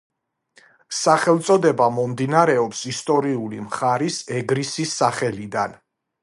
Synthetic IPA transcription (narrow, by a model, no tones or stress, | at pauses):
saχɛlˠt̪sʼɔd̪ɛbamɔmd̪inaɾɛɔpsist̪ʼɔɾiulimχaɾisɛɡɾisisːaχɛlid̪an